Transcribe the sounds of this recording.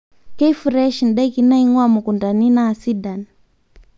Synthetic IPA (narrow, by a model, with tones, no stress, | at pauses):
kɛ˦fu˨ɾɛ˦ʃn̩ɗa˦i˦ki˦na˦i˦ŋwa˦mu˨ku˨nda˨ni˦naː˦˨si˦da˨n